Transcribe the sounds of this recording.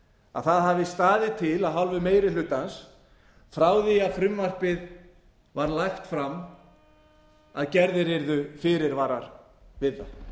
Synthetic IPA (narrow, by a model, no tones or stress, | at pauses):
a̰ðθaðɦavɪst̪aːðɪt̪ʰɪlaðɦalvʏmeːjɾɪlʏt̪ːans | fɾaːwðiafɾʏmvar̥pɪð | vaɾlajxt̪fɾam | aðcɛɾðɪɾɛɾðʏfɪɾɪɾvaːɾaɾ | vɪðːa